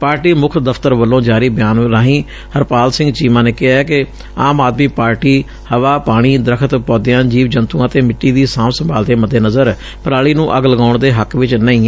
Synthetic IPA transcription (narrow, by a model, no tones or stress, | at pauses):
paːɾʈiːmʊkʰt̪d̪əft̪əɾʋəlːõːd͡ʒaːɾiːbɪjaːnɾaːɦĩː | həɾpaːlsɪ̃ŋɡt͡ʃiːmãːneːkɪɦaːɛkɪ | aːmaːd̪miːpaːɾʈiː | həʋaːpaːɽ̃iːd̪ɾəkʰət̪pɔːd̪ɪjãːd͡ʒiːʋd͡ʒənt̪ũãːət̪eːmɪʈːiːd̪iːsãːmsəmbaːld̪eːməd̪ːeːnəzəɾ | pəɾaːɭiːnũːʔəɡləɡaːʊɳd̪eːɦəkʋɪt͡ʃnəĩː